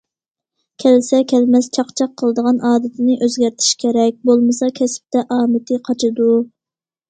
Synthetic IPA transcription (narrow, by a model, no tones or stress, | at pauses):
kʲʰɛlɪsɛkʲʰɛlmɛst͡ʃʰɑqt͡ʃʰɑqʰːəlˠəd̪əʁɑnʔɑːd̪ɪt̪ʰɪnɪʔøzɡʲæɾt̪ʰi̥ʃkʲʰeɾɛk̚ʲbolˠmɨsɑkʲʰɛsɪ̥p̚t̪ʰɛʔɑːmɪt̪ʰɨqʰɑt͡ʃʰɨd̪u